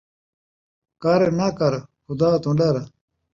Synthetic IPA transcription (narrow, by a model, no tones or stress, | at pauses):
kaːɾenakɐɾxud̪aːt̪ũɳɖaɾɐ